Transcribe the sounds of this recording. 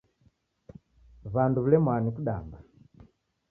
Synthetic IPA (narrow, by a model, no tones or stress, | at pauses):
βanduβulɛmwanikuɗamba